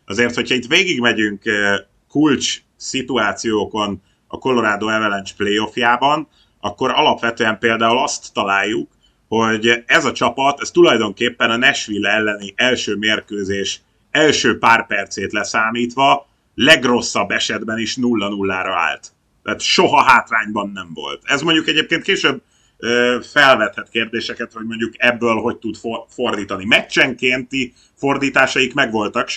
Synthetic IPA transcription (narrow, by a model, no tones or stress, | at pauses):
ɒzeːrt̪hochɒit̪ʋeːɡiɡmɛɟyŋk | kːult͡ʃ | sit̪uaːt̪sijoːko̞n | ɒ̰ko̞lo̞ɾaːd̪oːɛvɛlɛnt͡ʃpleːo̞fjaːbɒn | ɒkːo̞ɾɒlɒpʋɛt̪øːɛmpeːld̪aːulɒst̪ːɒlaːjːuk | ho̞ɟɛzɒt͡ʃɒpɒt̪ɛst̪ulɒjd̪o̞ŋkeːpːɛnɒnɛʃʋilːɛɛlːɛniʔɛlʃøːmeːrkøːzeːʃ | ɛlʃøːpaːrpɛrt̪seːt̪lɛsaːmiːt̪ʋɒ | lɛɡro̞sːɒbːɛʃɛd̪bɛniʃnulːɒnulːaːɾɒa̰ːlt̪ː | aːt̪ʃoɦɒɦaːt̪laːɲbɒnːɛɱvo̞̰lt̪ɛzmo̞ɲɟukɛɟeːp̚keːnt̪keːʃøb̚ | øfɛlvɛt̪hɛt̪keːrd̪eːʃɛkɛt̪ho̞ɟmo̞ɲɟukɛbːøːlɦo̞ɟt̪ud̪fofo̞rd̪iːt̪ɒnimɛt͡ʃːɛŋkeːnt̪i | fo̞rd̪iːt̪aːʃɒikmɛɡʋo̞lt̪ɒkʃ